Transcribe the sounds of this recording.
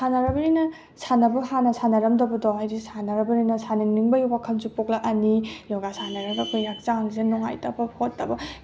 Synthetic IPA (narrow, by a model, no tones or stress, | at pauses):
sanɐɾɐbɐɾinɐ | sʰanɐbɐɦanɐsʰanɐɾɐmdɐbɐdɔhajɾisanɐɾɐbɐɾinɐsaniŋniŋbɐjubakʰɐnzupok̚laʔɐnijɔɡasanɐɾɐɡɐkʰojːak̚t͡ʃaŋizenɔŋa̰jtɐbɐpʰotːɐbɐ